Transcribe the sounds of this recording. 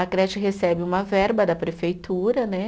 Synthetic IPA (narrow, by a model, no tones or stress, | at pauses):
ɐkɾɛt͡ʃɪɦesɛbɪũmɐvɛɾbɐd̪ɐpɾefejt̪uɾɐnɛ